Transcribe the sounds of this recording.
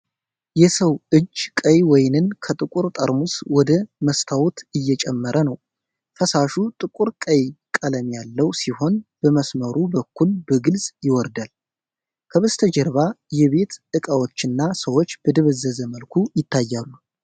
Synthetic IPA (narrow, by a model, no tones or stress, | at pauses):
jɛsəwʔɨd͡ʒkʼəjwɔjnɨnkʰət̪ʼɨkʼuɾt̪ʼəɾmuswɔd̪əməst̪ʰawut̪ɨjːɛt͡ʃʼɛmːəɾʔənəw | fəsaʃut̪ʼɨkʼuɾkʼəjkʼələmjalːəwsiho̞nb̥əməsməɾubəkːulbəɡɨlzʼjɪwɔɾd̪al | kʰəβəst̪ʰəd͡ʒɛɾβajɛβe̞t̪ɨkʼawo̞t͡ʃːɨnːasəwo̞t͡ʃːb̥əd̪ɨβəzːəzəməlkʰujɪt̪ʰːajːalːu